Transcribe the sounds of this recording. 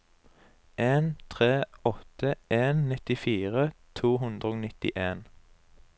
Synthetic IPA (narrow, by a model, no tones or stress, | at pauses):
ʔeːnt̪ʰʁeːɔt̪əeːnnɪt̪ɪfiːʁət̪ʰuːɦʉnd̪ʁəoːnɪt̪ɪ̰ʔeːn